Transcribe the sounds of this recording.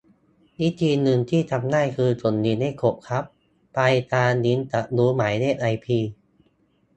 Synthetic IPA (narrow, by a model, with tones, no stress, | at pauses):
ni˦˥t̪ʰiː˧nɯ˧ŋt̪ʰiː˥˩t̪ʰa˧mnaː˥˩jkʰɯː˧t͡ɕo˨˩nːi˧˥nha˥˩jkʰo˨˩ʔ̚kʰa˦˥p̚ː | a˧jt̪aː˧ni˨˦˥nt̪a˨˩ʔ̚duː˦˥maː˩˦jneː˥˩t̪̚ʔa˧jpʰiː˧